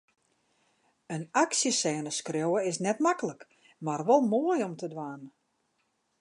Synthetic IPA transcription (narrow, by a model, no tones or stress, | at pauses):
ənaksjəsɛːnəskrjowəɪsnɛtmakələk | marʋɔlˠmoəjɔmtədʋaːn